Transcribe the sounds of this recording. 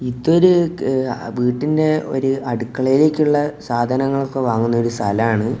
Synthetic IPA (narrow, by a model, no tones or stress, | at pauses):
it̪ːo̞ɾu | ʋiːʈːinde̞o̞̰ɾuɐɽukːɐɭɐjilekʲːuɭːɐsaːd̪ʱɐnɐŋːɐɭokːeʋaːŋːunːɐo̞ɾust̪ʰɐlaːɳɨ